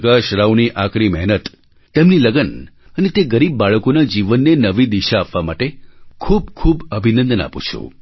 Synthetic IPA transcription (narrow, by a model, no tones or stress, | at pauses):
ɡaʃɾawniʔakɾimɛɦnət̪ː | emniləɡən | ənet̪eɡəɾibːaɭəkonad͡ʒiʋənːenəʋid̪iʃaːpʋamaʈekʰub̚kʰubəbʱinənd̪əna̰pṵt͡ʃʰṵ